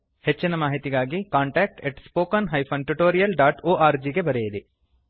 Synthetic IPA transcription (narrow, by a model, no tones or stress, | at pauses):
het͡ʃːinɐmaːɦit̪iɡaːɡikaːɳʈɛːk̚ʈeʈspoːkɐnɦɐjpʰɐnʈuʈoːɾijɐlɖaːʈoːʔaːɾd͡ʒiːɡebɐɾejɐd̪i